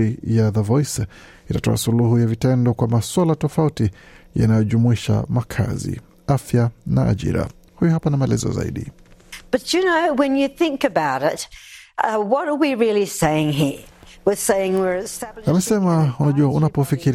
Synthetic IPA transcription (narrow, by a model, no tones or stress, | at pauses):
ijaðəvɔjs | itatɔ̰asuluhujavitɛndɔkwamaswalatɔfautija̰najɔʄumuiʃa̰makʰa̰zḭ | afjana̰ːʄḭɾa̰ | hujɔhapanamaɛlɛ̰zɔ̰za̰ḭɗḭb̥ʌt͡ʃɨnoʊwɨ̃njɨθɪ̃ŋkɨbaʊɾɪt̚ | wʌɾə˞wiɹɪlˠiseɪɪ̃ŋɦiɹ | wɪ̥seɪɪ̃ŋwɪɹɨstæbamɛsɛmaunaʄuaunapɔfikiɾ